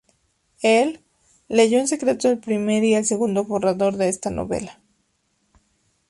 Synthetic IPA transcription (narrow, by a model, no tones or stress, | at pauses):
elː | e̞ʝo̞ens̬e̞kɾe̞t̪oelpɾime̞ɾielse̞ɣund̪oβoraðo̞ɾðe̞est̪ano̰βe̞̰lḁ